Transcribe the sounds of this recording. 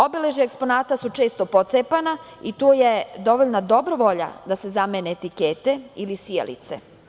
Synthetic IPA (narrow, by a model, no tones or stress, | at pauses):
o̞bileʒekspo̞naːt̪asut͡ʃeːst̪o̞pot̪sepanait̪oːjed̪o̞ʋoʎnad̪o̞bɾoʋo̞ʎa̰d̪ase̞zameneːt̪ikeːt̪e̞ilisiḛlḭt̪sḛ